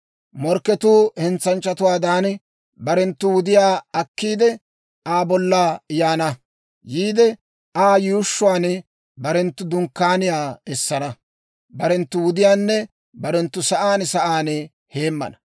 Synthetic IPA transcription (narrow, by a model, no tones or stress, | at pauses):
mɔɾkːɛt̪uːhɛnt͡sːɐnt͡ʃʼːɐt̪ʊwaːd̪aːn | bɐɾɛnt̪ːʊwʊd̪ɪjaːɐkːiːd̪ɛ | aːbɔlːaɪjaːnɐ | jiːd̪ɛ | aːjʊʊʃːʊwaːnɛ | bɐɾɛnt̪ːʊd̪ʊŋkːaːnɪjaːɛsːɐnɐ | bɐɾɛnt̪ːʊwʊd̪ɪjaːnːɛ | bɐɾɛnt̪ːʊsɐʔaːnsɐʔaːnɛ | heːmːɐ̰nɐ̥